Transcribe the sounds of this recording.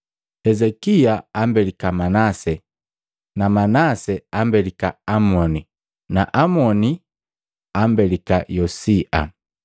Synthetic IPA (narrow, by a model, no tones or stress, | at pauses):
hɛzɛkiaambɛlikamanasɛ | namanasɛambɛlika̰amɔni | naʔamɔni | ambɛlikajɔsiʔa̰